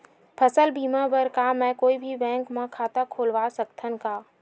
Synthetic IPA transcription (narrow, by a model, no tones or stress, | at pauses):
pʰəsəlbiːmabəɾkamɛ̃koːibʱibɛ̃ːŋkmãkʰaːt̪akʰoːlʋaːsəkt̪ʰənkaː